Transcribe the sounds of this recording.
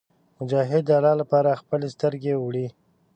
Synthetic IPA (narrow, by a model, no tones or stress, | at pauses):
mʊd͡ʒɑɦɪd̪ːəalɑlapɑɾaxpəlest̪əɾɡewɽi